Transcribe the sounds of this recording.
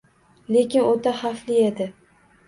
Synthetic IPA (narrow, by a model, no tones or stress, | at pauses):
le̞kʲɪnot̪ʰahaflijed̪ɪ